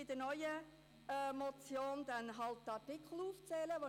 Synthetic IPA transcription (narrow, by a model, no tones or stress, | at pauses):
ɪd̥̪ənœʏə | mɔt͡sjoːnd̪ɛnɦɑlt̚dɑtɪkχl̩uːft͡sɛːləʋo